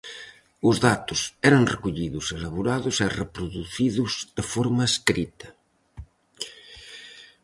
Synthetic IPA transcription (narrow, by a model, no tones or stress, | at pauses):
ʊzðat̪ʊsɛɾɐŋrekuʎiðʊselaβoɾaðʊserepɾuðuθiðʊzðefɔɾmɐeskɾit̪ɐ